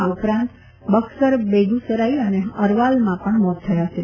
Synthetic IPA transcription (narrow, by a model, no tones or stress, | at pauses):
upɾãnt̪ | bəksəɾbed̪ʱusəɾaiəneəɾʋalmãpəɳmɔt̪t̪ʰːəjat͡ʃʰe